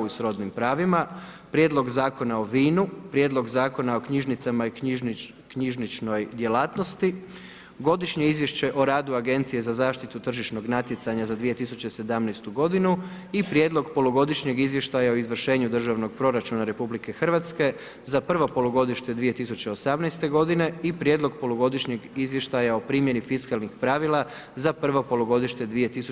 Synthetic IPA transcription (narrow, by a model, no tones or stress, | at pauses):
isɾo̞d̪nimpɾaːʋimapɾjed̪lˠo̞ɡzaːko̞nao̞ʋiːnupɾjeːd̪lˠo̞ɡzaːko̞nao̞kɲiʒnit̪samaiiʒ | kɲiʒnit͡ʃno̞jd̪je̞laːt̪no̞st̪i | ɡo̞d̪iʃɲe̞izʋje̞ʃt͡ɕe̞ʔo̞ɾaːd̪uaɡe̞nt̪sije̞zazaːʃt̪it̪ut̪r̩ʒit͡ʃno̞ɡnat̪je̞t̪saɲazad̪ʋije̞t̪isut͡ɕese̞d̪amnɛjst̪uɡo̞d̪inu | ipɾjeːd̪lˠo̞ɡpo̞loɡo̞d̪iʃɲe̞ɡizʋje̞ʃt̪ajao̞izʋr̩ʃe̞ːɲud̪r̩ʒaʋno̞ɡ̚pɾo̞ɾat͡ʃunaɾe̞publike̞xr̩ʋat̪ske̞ | zapr̩ʋo̞po̞loɡo̞d̪iʃt̪e̞d̪ʋije̞t̪isut͡ɕe̞osamnɛjst̪e̞ɡo̞d̪ine̞ipɾjed̪lˠo̞ɡpo̞loɡo̞d̪iʃɲeɡizʋje̞ʃt̪ajao̞pɾiːmjenifiskalˠnixpɾaʋilˠa | zapr̩ʋo̞po̞loɡo̞d̪iʃt̪e̞d̪ʋije̞t̪isu